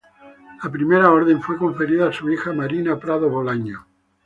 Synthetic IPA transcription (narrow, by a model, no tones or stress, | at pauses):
lapɾimeɾaoɾðẽɱfwe̞koɱfe̞ɾiðaːsuixamaɾinapɾaðoβolaɲo